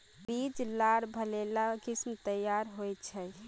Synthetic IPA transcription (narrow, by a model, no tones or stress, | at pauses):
bid͡ʒlaɽbʱəlelakismt̪əjaɾɦojt͡ʃʰə